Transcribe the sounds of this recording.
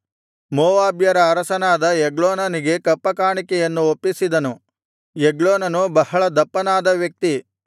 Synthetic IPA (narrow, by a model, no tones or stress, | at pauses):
mɔːʋaːbjɐɾɐːɾɐsɐnaːd̪ɐɛɡɭoːnɐniɡe̞kɐpːɐkaːɳikɛjɐnːuopːisid̪ɐnu | eɡɭoːnɐnubɐhɐɭɐd̪ɐpːɐnaːd̪ɐʋjɐk̚t̪i